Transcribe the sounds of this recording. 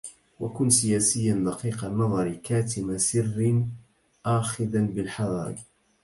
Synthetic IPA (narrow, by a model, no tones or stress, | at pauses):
wakʊnsɪjaːsɪjːanlɑqiːqɑnːɑðˤɑɾkaːt̪ɪmasɪrːɪn | ʔaːxɪd̪anbɪlħɑðˤɑ̰ːɡ